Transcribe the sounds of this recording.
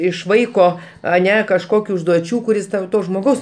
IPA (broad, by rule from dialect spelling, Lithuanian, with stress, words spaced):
ɪʃ ˈʋɐɪkoː ɐˈnʲɛ kɐʃˈkoːkʲʊ ʊʒduɔˈt͡ʃʲuː kʊˈrʲɪs tɐʊ ˈtoː ʒmoːˈɡɐʊs